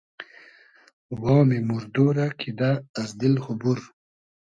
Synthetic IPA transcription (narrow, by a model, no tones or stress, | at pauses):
wɔːmimuɾd̪oːɾakʰid̪aːzd̪ilhʊbuɾ